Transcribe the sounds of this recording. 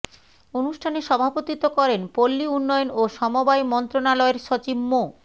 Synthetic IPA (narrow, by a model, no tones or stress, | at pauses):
onuʃʈʰaneʃɔbʱapot̪it̪okɔɾenpolːiunːɔjonoʃɔmobajmɔnt̪ɾonalɔeɾʃot͡ɕibmo